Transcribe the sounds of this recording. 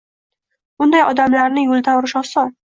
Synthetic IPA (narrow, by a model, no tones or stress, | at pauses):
bʊnd̪ajɒd̪amlaɾnɪjʊlˠt̪ʰawɾɪʃɒsɒ